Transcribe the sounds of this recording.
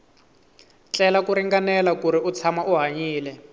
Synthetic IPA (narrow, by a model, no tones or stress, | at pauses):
t͡ɬʼɛlakuɾiŋɡanɛlakuɾiut͡sʰamaʔuɦaɲiːlɛ